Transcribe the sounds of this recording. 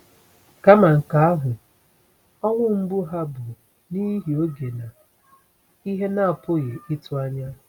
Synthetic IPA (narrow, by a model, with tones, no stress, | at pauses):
ka˦ma˨ŋ̩˨ka˨a˦ɦʊ˨ | ɔ˦ŋʷʊ˦m̩˦bʊ˦ɦa˦bʊ˨ | ni˦ɦi˨o˦ɡe˨na˨ | i˦ɦe˦na˦a˨po˦ɣe˨ʔi˦tʊ˦a˦ɲa˦